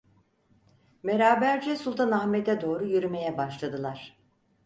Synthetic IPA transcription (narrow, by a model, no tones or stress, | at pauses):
be̞ɾaːbæɾd͡ʒɛsulˠt̪ʰanahmet̪ɛd̪o̞ːɾujyɾyme̞jɛbaʃlˠad̪ɯlˠaɾ̥